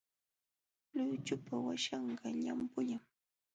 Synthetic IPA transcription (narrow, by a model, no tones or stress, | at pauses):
lʊjt͡ʃʊpawaʃɑɴɢɑʎampʊʎaŋ